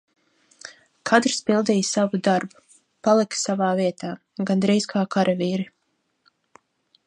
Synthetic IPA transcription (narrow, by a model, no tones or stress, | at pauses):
kʰat̪ɾspilˠd̪ijsavud̪aɾbu̥ | palˠiksavaːviɛt̪ʰaː | ɡand̪ɾijzkʰaːkaɾʔaviːɾi